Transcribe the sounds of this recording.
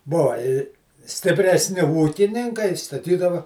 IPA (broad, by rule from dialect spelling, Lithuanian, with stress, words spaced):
ˈboːʋɐ ɪ sʲtʲɪpʲrʲɛsʲˈnʲɪ ˈuːkʲɪnʲɪŋkɐɪ stɐˈtʲiːdɐʋɐ